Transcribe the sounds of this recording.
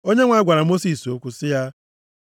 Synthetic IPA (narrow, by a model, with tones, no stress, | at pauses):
o˦ɲe˦ŋʷa˨a˦ɡʷa˨ɾa˨mo˦si˦˨so˦kʷu˦sɪ˦ja˦